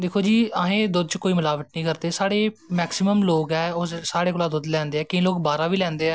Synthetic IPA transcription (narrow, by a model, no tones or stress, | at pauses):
d̪eːkʰoːd͡ʒiːaːɦẽːd̪ʊd̪̚t͡ʃkoːiːməlaːʋəʈ̪nĩːkəɾd̪eːsaːɽeːmɛːksɪməmloːɡɛːoːsaːɽeːkoːlaːd̪ʊd̪lɛ̃ːnd̪eːɛːkɪĩloːkbaːɾaːʋiːlɛ̃ːnd̪eːɛː